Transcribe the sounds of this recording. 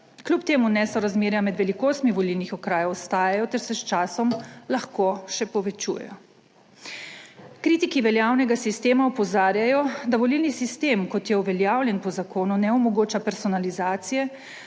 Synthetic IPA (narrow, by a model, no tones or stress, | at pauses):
klupt̪eːmunɛsɔɾazmeːɾjamɛd̪ʋɛlikoːst̪miʋɔlilnixɔkɾaːjawɔst̪aːjajɔt̪ɛɾsɛst͡ʃaːsɔmlaxkoːʃɛpɔʋɛt͡ʃṵːjɛ̰jɔ | kɾit̪ikiʋɛljawnɛɡasist̪eːmaɔpɔzaːɾjajɔd̪aʋɔlilnisist̪eːmkɔt̪jɛuʋɛljaːwljɛnpɔzakoːnunɛɔmɔɡoːt͡ʃapɛɾsɔnalizaːt̪sijɛ